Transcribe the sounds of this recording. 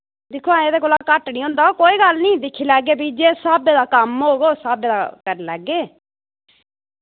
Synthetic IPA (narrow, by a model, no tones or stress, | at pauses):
d̪ɪkʰuãːeːd̪eːkoːlãkəʈnĩːɦõːnd̪aːokoːiːɡəlnĩːd̪ɪkʰːiːlɛːɡeːbiːd͡ʒeːsaːbeːd̪aːkəmɦoːɡoːsaːbeːd̪aːkəɾelɛːɡeː